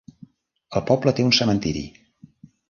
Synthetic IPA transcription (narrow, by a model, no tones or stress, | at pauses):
əlˠpɔblət̪eunsəmənt̪iɾḭ